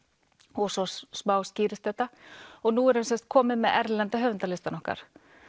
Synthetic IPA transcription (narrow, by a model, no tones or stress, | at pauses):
ɔɣsɔsmaːwsciːɾɪst̪ɛht̪ːaɔɣnuɛɾɛnsɛnst̪̚kʰɔːmɪðmɛðɛɾlɛnt̪aɦœvʏnt̪alɪst̪anɔhka̰ɾ̥